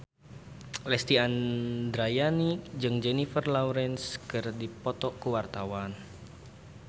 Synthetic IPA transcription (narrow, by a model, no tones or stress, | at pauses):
lɛst̪iandɾajanikd͡ʒɨŋd͡ʒɛnifərlawɾɛnskɨrdipɔt̪ɔkəwart̪awan